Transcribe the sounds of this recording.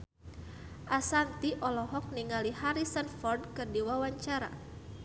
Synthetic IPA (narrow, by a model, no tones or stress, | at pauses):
ʔasant̪iʔɔlɔɦɔk̚niŋalihaɾisənfɔrdkɨrdiwawaɲt͡ʃaɾa̰